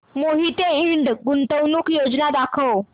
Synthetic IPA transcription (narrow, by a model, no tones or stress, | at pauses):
moɦit̪eiɳɖɡunt̪əwnuːkjod͡znad̪akʰəw